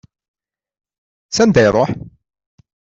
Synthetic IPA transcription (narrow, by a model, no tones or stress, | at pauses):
sænd̪æjɾˤoħ